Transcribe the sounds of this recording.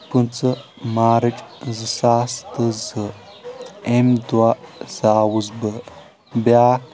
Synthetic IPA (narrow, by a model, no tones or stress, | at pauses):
pɨnt͡sə | maːɾɨt͡ʃʼzɨsast̪əzə | emd̪wazaːwuzbə | bja